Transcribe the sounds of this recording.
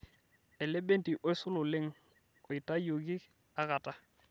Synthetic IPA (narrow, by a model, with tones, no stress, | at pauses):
ɛ˨le˦be˦nti˨ʔɔ˦ɪ˦sʊ˦lʊ˨lɪ˦ŋ | ɔ˨ɪ˨ta˦jo˨ɡi˦ | a˦ka˨ta˦